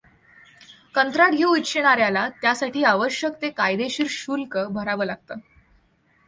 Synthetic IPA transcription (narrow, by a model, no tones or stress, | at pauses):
kənt̪ɾaʈɡʱiitɕeɽ̃aɾjalat̪jasaʈiːaʋəɕjəkt̪ekajd̪eɕiːɾɕulkəbʱəɾaʋəːlaɡ̚t̪əː